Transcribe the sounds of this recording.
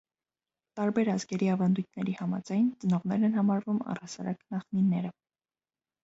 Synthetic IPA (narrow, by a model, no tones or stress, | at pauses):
t̪ɑɾbɛɾɑzɡɛɾiɑvɑnd̪ujt̪̚ʰnɛɾihɑmɑ̰d͡zɑjnt͡sənɔʁnɛɾɛnhɑmɑɾvumɑ̰rɑsɑ̰ɾɑknɑχninːɛɾə